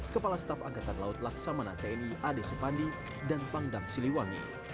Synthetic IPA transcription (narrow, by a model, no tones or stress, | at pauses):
kəpalast̪afaɡat̪anlaʊt̪̚laksamanat̪ainiʔadesəpandi | danpaŋdaŋsiliwaŋḭ